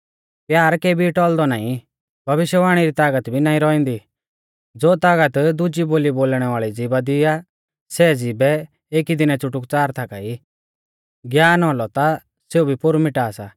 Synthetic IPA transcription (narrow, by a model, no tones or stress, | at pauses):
pjaːɾkeːbʱiʈɔːld̪ɔnaːĩ | bʱɐʋɪʃjəʋaːɽ̃iɾit̪aːɡət̪bʱinãːĩɾɔĩnd̪i | d͡zoːt̪aːɡət̪d̪ʊd͡ʒiboːliboːlɽ̃ɛʋaːɭid͡zibad̪ɪa | sɛd͡zibɛ | eːkid̪ɪnɛt͡sʊʈʊkt͡saːɾt̪ʰakai | ɡjaːnɦɔlɔt̪a | seubʱipʊɾmɪʈaːsaː